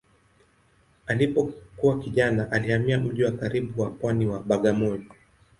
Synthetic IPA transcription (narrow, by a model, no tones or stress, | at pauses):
alipɔkuwakiʄanaʔalihamiam̩ʄiwakaɾiɓuwapwaniwaɓaɠamɔjɔ